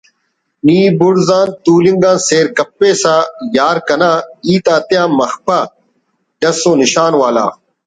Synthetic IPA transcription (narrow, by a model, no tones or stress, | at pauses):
niːbʊɽzãːnt̪uːlĩŋɡãːnseːɾkɐpːeːsaːjaːɾkɐnãːiːt̪aːt̪ijãːmɐxpʰaː | ɖɐsõːnɪʃaːnwaːla̰ː